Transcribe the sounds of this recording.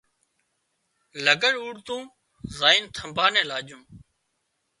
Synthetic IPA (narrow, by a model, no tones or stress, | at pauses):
ləɡəɽuːɽt̪ũː | zaːint̪ʰəmbʱaːnẽːlaːʄũː